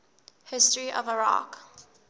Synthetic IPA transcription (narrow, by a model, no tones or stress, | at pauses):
hɪstəɹiʔɔvəɹa̰k